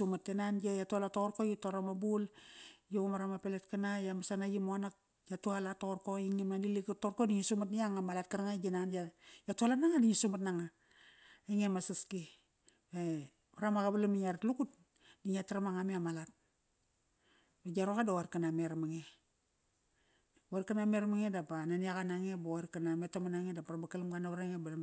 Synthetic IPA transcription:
umatːenanajatualatoorkojitoɾamabuljoomaɾamapeletkanajamasanaɡimoanak̚ | jatualatorkoiŋimadilikatorkodiɲisumatnijaŋamalat̚kaɾaŋaɡinand͡ʒajatualanaŋadiɲisumatnaŋa | iŋemasaski | e | paɾamaɡabalamiɲaɾatlukut̚ | diɲataɾamaŋamiamalat̚ | baɡaɾokadawaɾkanameɾamaŋe | aɾkanameɾmaŋedapananiaɣanaŋebaaɾkanametomanaŋedapaɾabakalamɡanaβaɾaŋebala

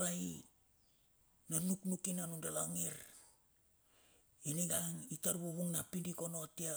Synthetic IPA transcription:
ɾai | nanuknukinanundalaŋiɾ | iniɡaŋitaɾbuβuŋnapindiko̞no̞tia

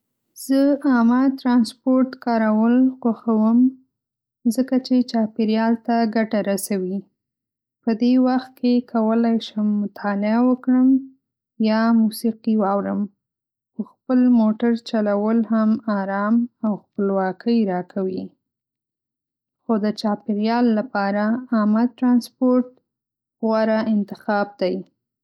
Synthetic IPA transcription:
z̥əɑmat̪ɾɑnspoɾʈkɑɾawəlxwaxawəm | zəkat͡ʃet͡ʃɑpeɾjɑlt̪aɡaʈaɾasawi | pəd̪ewaxt̪̚kʰekʰawəlajʃəmːʊt̪ʰɑlɪawəkɽəm | jɑmusiqiwɑwɾəm | xəxpəlmoʈaɾt͡ʃalawəlhamɑɾɑmawxpəlwɑkʰəjɾɑkʰawi | xod̪ət͡ʃɑpiɾjɑlːapɑɾaːmaʈɾɑnspoɾʈ | ɣwaɾaɪnt̪ɪxɑb̚d̪aj

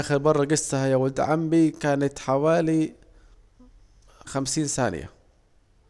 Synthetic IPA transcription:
xɪɾbɑrˤːɑɡɪsːahajawald̪ʕambikaːnat̪ħawaːli | xamsiːnsa̰ːnɪ̰ja̰

